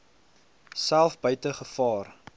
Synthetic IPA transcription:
sælˠfbœɥtəχəfɑːr

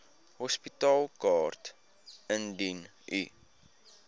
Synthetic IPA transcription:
hɔspitɑːlˠkɑːrt | əndin | ʔḭ

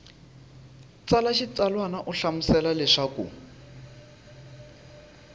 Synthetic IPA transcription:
t͡salaʃit͡salwanaʔuɬamusɛlalɛʂakṵ

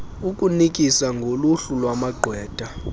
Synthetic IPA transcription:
uk̬ʼunikʼisaŋɡʱoluɬulwamaɡ͡ǃʱwɛːd̥ʱʼa

